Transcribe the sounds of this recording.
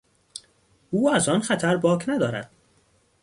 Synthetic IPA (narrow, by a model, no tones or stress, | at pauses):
uːæzɒːnxæt̪ʰæɾbɒːkʰnæd̪ɒːɾæ̰d̪̥̚